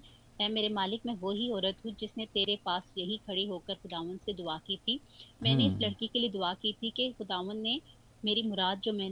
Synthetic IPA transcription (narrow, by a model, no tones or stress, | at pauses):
ɛːmeːɾemaːlɪkmɛ̃ʋoɦiɔːɾət̪ɦũd͡ʒɪsnet̪eːɾepaːsjɐɦikʰɐɽiɦoːkɐɾxʊd̪aːʋənd̪sed̪ʊakiːt̪ʰiː | mɛ̃ːneɪslɐɽkikelied̪ʊakiːt̪ʰikexʊd̪aːʋənːe | meːɾimʊɾaːd̪̚d͡ʒoːmɛ̃ː